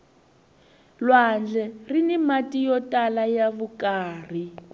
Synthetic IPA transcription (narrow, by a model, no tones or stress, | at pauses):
lwand͡ɮɛrinimatijɔtʼalajaβukʼaːr̤i